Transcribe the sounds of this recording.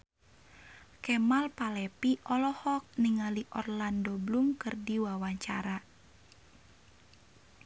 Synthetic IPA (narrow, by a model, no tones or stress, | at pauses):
kɛmalpalɛpiʔɔlɔhɔk̚niŋaliʔɔrlandɔblumkɨrdiwawaɲt͡ʃa̰ɾa